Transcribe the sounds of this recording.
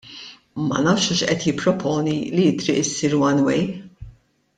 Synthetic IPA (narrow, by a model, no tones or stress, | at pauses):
mɐ̰nɐːfʃuʃʔɛt̪jɪpːɾɔpʰɔːnilijɪt̪ɾḭːʔɪsiːɾwɐnwɛj